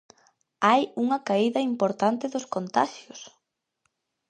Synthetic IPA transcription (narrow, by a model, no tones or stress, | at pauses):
ajuŋɐkaiðɐimpoɾt̪ant̪ɪðʊskont̪a̰ʃjos